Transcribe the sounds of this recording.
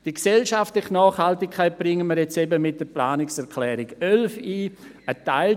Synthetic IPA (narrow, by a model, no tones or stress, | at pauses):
d̥iksɛlʃaftlɪχnɑːχhaltɪkʰaɪt̚b̥ʁɪŋəməɾjɛt͡sɛbəmɪt̚d̥əplaːnɪksɛɾkʰlɛːɾɪɡœlfiː | ətaɪl